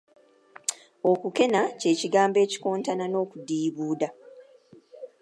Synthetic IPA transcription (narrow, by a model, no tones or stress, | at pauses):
o̞kuke̞nace̞ːciɡaːmbe̞ːci̥koːntanano̞ːkudiːβuːda